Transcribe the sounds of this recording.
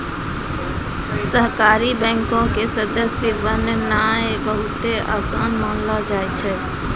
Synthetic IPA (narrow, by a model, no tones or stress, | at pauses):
səɦkaɾibɛ̃ŋkõkesəd̪əsjəʋənnajbəɦut̪eʔa̰sanmənlɔd͡ʒajt͡ʃʰɛ